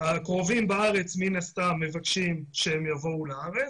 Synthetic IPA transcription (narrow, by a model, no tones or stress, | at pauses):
akʁo̞vimbaaʁe̞t͡sminast̪amːe̞vakʃimʃehemjavo̞ulaaʁe